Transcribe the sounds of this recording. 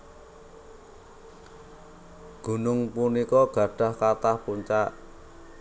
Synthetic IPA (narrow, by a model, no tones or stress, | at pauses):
ɡ̥ṳnʊŋpunikɔɡ̥a̤ɖ̥a̤hkat̪ahpuɲt͡ʃaʔ